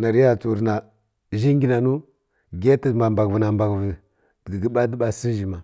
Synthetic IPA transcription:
na˨ɾja˦t͡su˨ɾna˨ | ʒi˦ŋɡʲi˦na˨nu˦ | ɡe˦tə˦˨ma˨mba˨ɡvə˨na˨mba˨ɡvə˨ | dɡə˨ɡə˨ɓa˦də˦ɓa˦si˦ʒi˨ma˨

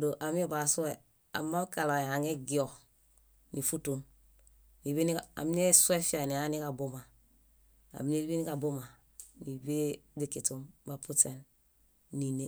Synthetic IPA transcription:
do˨ʔa˨m˦e˦ba˨su˦e˨ | a̰˨mːa˦ka˨la˨e˨a˨ŋe˦ɡi˨o˨ | ni˨fu˦tu˨n | ni˨βi˦ni˦a̰˨mi˦ne˦su˦e˦fi˦a˨ni˨a˦ni˦ka˨bo˦ma˨ | a̰˨m˦ne˦lbi˦ni˦ka˨bo˦ma˨ | ni˨be˦di˨ki˨tu˨mba˨pu˦te˨n | ni˨ne˨

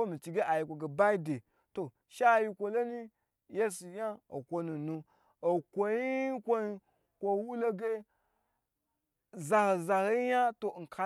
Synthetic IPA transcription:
o˦mi˨t͡ʃi˨ɡe˦ʔa˨ji˨kʷo˨ɡe˨ba˦i˦de˨ | to˨ | ʃa˦˨ji˦kʷo˨lo˦ni˦ | je˦su˨ja˦o̰˨kʷo˦nu˨nu˦ | o˨kʷo˨ji˦kʷo˦i˦ | kʷo˨wu˦lo˦ɡe˦ | za˨he˨za˨he˨˦ji˦ja˦to˨ŋ̩˨kʰa˨

